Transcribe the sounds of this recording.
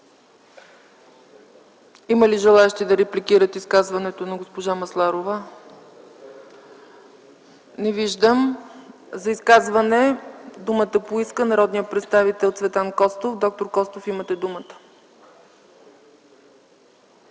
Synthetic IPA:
iməliʒɛlˠaɛʃt̪id̪ɐɾɛplikiɾət̪iskazvɐnɛt̪onɐɡospoʒamɐslˠaɾovə | nɛviʒd̪əm | zɐiskazvɐnɛd̪umət̪əpoiskənɐɾɔd̪nijəpɾɛt̪st̪avit̪ɛlˠt̪svɛt̪ankɔst̪ofd̪ɔk̚t̪oɾkɔst̪ofimət̪ɛd̪umət̪ə̥

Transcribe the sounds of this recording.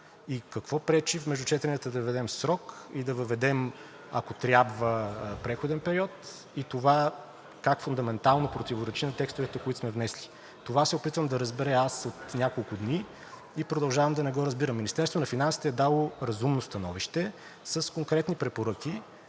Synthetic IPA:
ikɐkvɔpɾɛt͡ʃifmɛʒd̪ut͡ʃɛt̪ɛnʲət̪əd̪ɐvvɛd̪ɛmsɾɔkid̪ɐvəvɛd̪ɛm | ɐkot̪ɾʲjabvəpɾɛxod̪ɛnpɛɾiɔt̪ | it̪ova | kakfund̪ɐmɛnt̪alˠnopɾot̪ivoɾɛt͡ʃinɐt̪ɛkst̪ʊvɛt̪ɛkoit̪ʊsmɛvnɛsli̥ | t̪ovasɛopit̪vəmd̪ɐɾəzbɛɾɛasot̪nʲakolˠkʊd̪ni | ipɾod̪ɐlˠʒavəmd̪ɐnɛɡɔɾɐzbiɾɐmːinist̪ɛɾst̪vonɐfinansi̥t̪ɛɛd̪alˠoɾɐzumnost̪ɐnɔviʃt̪ɛ | səskoŋkɾɛt̪nipɾɛpoɾɤk̟i

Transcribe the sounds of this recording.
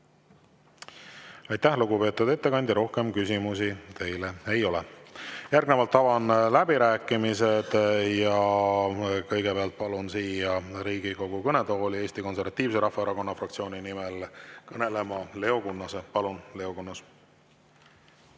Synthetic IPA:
ɑjt̪æhluɡ̥upe̞ːt̪ːˑud̪e̞t̪ːe̞kɑnʲd̪ʲiɾʔo̞hke̞mkysʲimusit̪e̞jle̞e̞jo̞lɛ̰jærɡnevɑlt̪ˑːɑvɑnlæb̥iɾæːkːˑimised̪̥jɑ | kɤjɡebeɑlt̪̚pɑlunsiːjɑɾiːɡ̥iko̞ɡ̥ukɤne̞d̪ooːlieːsʲt̪iko̞nse̞rvɑt̪ːˑiːvseɾɑhfːɑeɾɑko̞nːɑfrɑk̚t̪sio̞ːnʲinimelkɤne̞le̞mɑle̞o̞kunːɑsepɑlunle̞o̞kunːɑs

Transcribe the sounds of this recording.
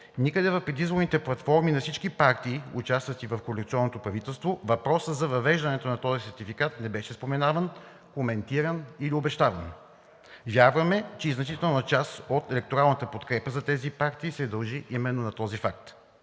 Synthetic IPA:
nikəd̪ɛvɐfpɾɛd̪izvoɾnit̪ɛplˠɐt̪fɔɾminɐfsit͡ʃkipaɾt̪iːut͡ʃast̪vɐt̪ivɐfkolɛkt̪siɔnːot̪opɾɐvit̪ɛlˠst̪vovɐpɾɔsəzɐvɐvɛʒd̪ɐnɛt̪onɐt̪ɔzisɛɾt̪ifikat̪nɛbɛʃɛspomɛnavən | komɛnt̪iɾəniliobɛʃt̪avɐn | vʲjaɾvɐmɛt͡ʃɛiznɐt͡ʃit̪ɛlˠnɐt͡ʃasot̪ɛlɛk̚t̪oɾalˠnət̪əpot̪kɾɛpəzɐt̪ɛzipaɾt̪iːsɛd̪ɐlˠʒiʔimɛnːonɐt̪ɔzifak̚t̪

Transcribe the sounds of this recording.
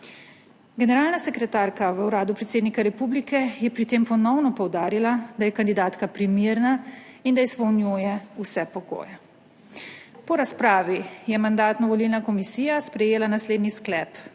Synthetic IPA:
ɡɛnɛɾaːlnasɛkɾɛt̪aːɾkaʋəwɾaːd̪upɾɛt̪seːd̪nikaɾɛpublikɛjɛpɾit̪eːmpɔnɔwnɔpɔwd̪aːɾilad̪ajɛkand̪id̪aːt̪kapɾimiːɾnaind̪aispɔwnjuːjɛusɛpɔɡo̰ːjɛ | pɔɾaspɾaːʋijɛmand̪aːt̪nɔʋɔlilnakɔmisiːjaspɾɛjeːlanasleːd̪nisklɛp

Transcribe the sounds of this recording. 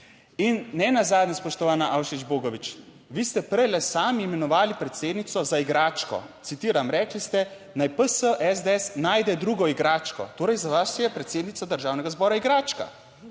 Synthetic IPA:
inːɛnazaːd̪nʲɛspɔʃt̪ɔʋaːnaʔawʃid͡ʒboːɡɔʋit͡ʃ | ʋiːst̪ɛpɾɛjlɛsaːmiːmɛnɔʋaːlipɾɛt̪seːd̪nit̪sɔzaiɡɾaːt͡ʃkɔ̰t̪sit̪iːɾamɾɛːklist̪ɛ | najpəsəʔɛzd̪ɛsnaːjd̪ɛd̪ɾuːɡɔiɡɾaːt͡ʃkɔ̰t̪oːɾɛjzaʋaʃjɛpɾɛt̪seːd̪nit̪sad̪əɾʒaːwnɛɡazbɔːɾaiɡɾaːt͡ʃka̰

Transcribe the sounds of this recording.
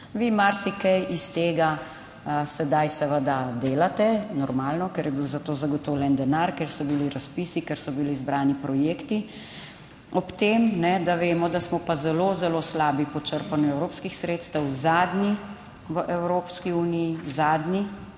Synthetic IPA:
ʋimaɾsikɛjist̪eːɡa | sɛd̪ajsɛʋəd̪ad̪eːlat̪ɛnɔɾmaːlnɔkɛɾjɛbiwzat̪oːzaɡɔt̪ɔwlʲjɛnd̪ɛnaɾkɛɾsɔbiliɾaspiːsikɛɾsɔbiliːzbɾaːnipɾɔjeːkt̪i | ɔpt̪eːmnɛd̪aʋeːmɔd̪asmɔpazɛlozɛloslaːbipɔt͡ʃəɾpanjuɛwɾoːpskixsɾeːt̪st̪əwzaːd̪ni | ʋəʔɛwɾoːpskiuːnijizaːd̪ni

